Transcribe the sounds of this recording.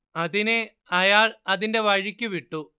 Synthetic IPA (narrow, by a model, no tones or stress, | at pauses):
ɐðine | ɐjaːɭɐðinde̞ʋɐɻikʲːuʋiʈːu